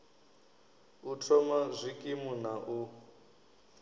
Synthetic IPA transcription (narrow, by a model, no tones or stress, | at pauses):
utʰɔmazʷikʼimunaʔu